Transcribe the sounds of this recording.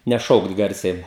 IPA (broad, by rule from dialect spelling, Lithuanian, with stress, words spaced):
nʲɛˈʃɐʊkt ˈɡɐrʲsʲɛɪ